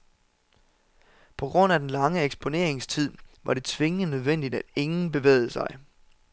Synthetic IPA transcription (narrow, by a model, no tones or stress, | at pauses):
pʰɒ̽ɡ̥ʁɔ̽n̰æd̥en̩lɑ̈ŋəeɡ̥sb̥ʰo̝ne̝̰ɐ̰eŋst͡sʰið̰ˠʋɑ̈ɾe̝t͡sʰʋe̝ŋənøð̞ˠʋen̰d̥id̥æd̥e̝ŋn̩b̥e̝ʋḛːɪð̞̩ˠsɑ̈ɪ